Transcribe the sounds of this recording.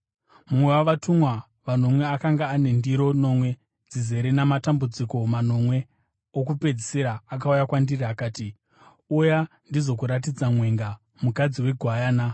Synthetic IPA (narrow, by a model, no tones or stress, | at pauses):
mumwe̞waʋatumwa | ʋano̞mwe̞akaŋɡaːne̞ndiɾo̞no̞mwe̞ | d͡zize̞ɾenamatambud͡ziko̞mano̞mwe̞ | okupe̞d͡ziseɾaːk̬aujakwandiriakaːti | uja | ndizo̞kuɾat̬id͡zamwe̞ŋɡa | mukad͡ziwe̞ɡʱwajaːna